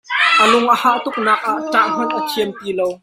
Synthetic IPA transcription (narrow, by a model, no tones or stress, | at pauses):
ʔəlʊŋʔəhaːʔt̪ʊk̚naːk̚ʔaʔʈ͡ʂaːʔm̥ɔnʔət͡sʰiəmt̪iːlow